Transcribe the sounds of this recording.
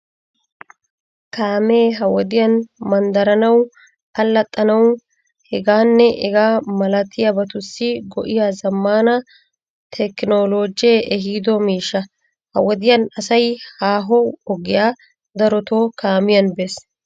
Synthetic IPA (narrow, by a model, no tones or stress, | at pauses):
kaːmeːɦɐwɔd̪ɪjɐnmɐnd̪ɐɾɐnɐw | ɐlːɐt̪ʼːɐnɐw | hɛɡaːnːɛʔɛɡaːmɐlɐt̪ʰɪjɐbɐt̪ʊsːɪɡɔʔɪjaːzɐmːaːnɐ | t̪ʰɛkɪno̞ːloːd͡ʒjeʔɛɦiːd̪ɔmiːʃːɐ | hɐ̰wɔd̪ɪjɐnɐsɐjhaːɦɔɔɡɪjaː | d̪ɐɾɔt̪oːkʰaːmɪjɐnbeːs